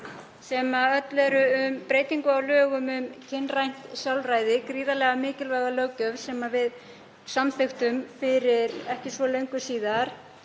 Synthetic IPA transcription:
sɛmaœt̪lɛɾʏʏmpɾeːjt̪iŋkʏawlœːɣʏmʏmcʰɪnrajn̥t̪sjawlrajðɪkɾiːðalɛɣamɪːcɪlvaɣalœwcœvsɛmavɪð | samθext̪ʏmfɪɾɪɾɛhcɪsvɔleɥŋkʏsiːðaɾ̥

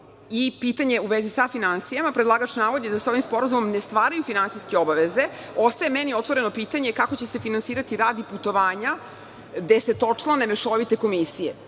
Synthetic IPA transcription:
ipit̪aɲeuʋezisafinansijamapɾed̪lˠaɡat͡ʃnaːʋod̪jed̪aseo̞ʋimspo̞ɾazumo̞mne̞st̪ʋaːɾajufinansijske̞o̞baʋeze̞ | o̞st̪ae̞menio̞t̪ʋo̞ɾe̞no̞pit̪aɲe̞kakot͡ɕe̞se̞finansiːɾat̪iɾaːd̪iput̪o̞ʋaːɲa | d̪e̞se̞t̪o̞t͡ʂlanemeʃoʋit̪e̞ko̞misijḛ

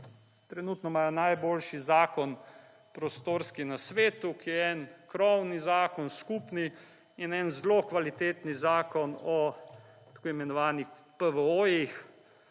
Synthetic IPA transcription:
t̪ɾɛnuːt̪nɔmaːjɔnajboːlʃizaːkɔn | pɾɔst̪oːɾskinasʋeːt̪ukijɛɛnkɾɔwnizaːkɔnskupni | inɛnzlokʋalit̪eːt̪nizaːkɔnɔ | t̪ḁkoimɛnɔʋaːnix | pəʋəoːjix

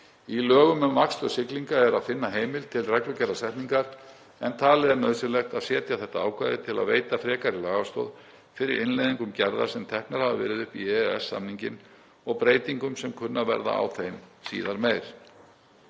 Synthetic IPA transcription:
ilœːɣʏmʏmakst̪œsɪkliŋkaɛɾaðfɪnːaɦeːjmɪlt̪ʰɪlrɛklʏcɛɾðasɛhpniŋkaɾ̥ | ɛnt̪ʰaːlɛɾnœːðsɪlɛxt̪aðsɛːt̪jaθɛht̪aaːwkʰvajðɪt̪ʰɪla̰ðveːjt̪afɾɛːkaɾɪlaːɣast̪o̰ːð | fɪɾɪɾɪnlejðiŋkʏmcɛɾða̰sɛmt̪ʰɛhknaɾhavavɛ̰ːɾɪðʏhpiɛɛsːa̰mniɲcɪn | ɔɣpɾeːjt̪iŋkʏmsɛmkʰʏnːavɛ̰ɾða̰a̰wθejmsḭːðaɾmeːjɾ̥

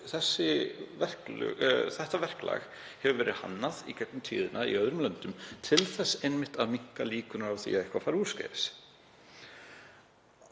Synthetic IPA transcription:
θɛsːɪvɛr̥kl̰θɛht̪avɛr̥kla̰ːɣ | hɛvʏvɛːɾɪha̰nːaðikʰɛt̪nʏmt̪ʰḭːðɪnʔaḭœðɾʏmlœnt̪ʏmt̪ʰɪlθɛsːejnmɪht̪aðmiŋ̥kaliːkʏnʏɾawθḭaðɛhkvafaɾu̥ːskḛːðɪs

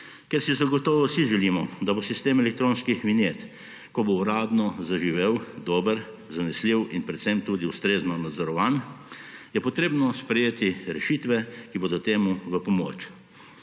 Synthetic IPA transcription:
kɛɾsizaɡɔt̪ɔːʋɔsiʒɛliːmɔd̪abosist̪eːmɛlɛk̚t̪ɾõːnskixminjeːt̪ | kɔbouɾaːd̪nɔzaʒiʋewd̪ɔːbəɾ | zanɛsliwinpɾɛt̪sɛmt̪uːd̪iust̪ɾeːznɔnad̪zɔɾɔʋan | jɛpɔt̪ɾeːbnɔspɾɛjeːt̪iɾɛʃit̪ʋɛkiboːd̪ɔt̪eːmuʋəpɔmo̰ːt͡ʃ

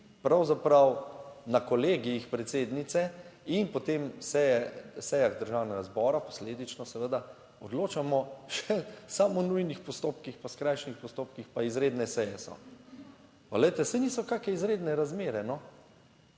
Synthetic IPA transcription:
pɾawzapɾawnakɔleːɡiixpɾɛt̪seːd̪nit̪sɛinpɔt̪emsɛjɛsɛjaɣd̪əɾʒawnɛɡazbɔːɾapɔ̥sleːd̪it͡ʃnɔsɛʋəd̪a | ɔd̪loːt͡ʃamɔʃɛsaːmɔnujnixpɔst̪oːpkixpaskɾajʃnixpɔst̪oːp̚kixpaizɾeːd̪nɛsɛjɛsɔ̰ | palɛjt̪ɛsɛniːsɔkaːkɛizɾeːd̪nɛɾazmeːɾɛnɔ

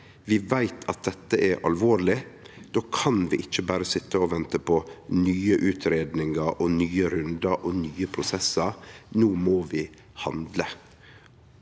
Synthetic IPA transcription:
ʋɪʋæɪt̪ʰɑt̪̚d̪ɛt̪ːəʔɛɾʔɑ̰lʋoːɾlɪ | d̪̥oːkʰɑnʋɪʔɪc͡çːəbæːɾəsɪt̪ːəɔʋɛnt̪əpʰɔnyːəʔʉːt̪ʰɾeːd̪nɪŋəɾʔɔnyːəɾʉnd̪ɑɾʔɔnyːəpʰɾʊsɛsəɾnuːmoːʋɪ | hɑ̰nd̪lə

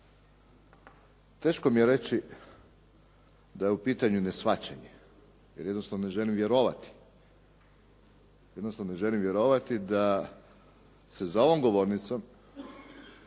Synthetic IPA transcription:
t̪e̞ːʃkomijeɾe̞t͡ɕi | d̪ajeupiːt̪aɲune̞sʋat͡ɕeɲe | jeɾjed̪nost̪aʋnone̞ʒe̞limʋje̞ɾo̞ʋat̪i̥ | jed̪nost̪aʋnone̞ʒe̞limʋje̞ɾo̞ʋat̪id̪a | sezao̞ʋomɡo̞ʋoɾnit̪som

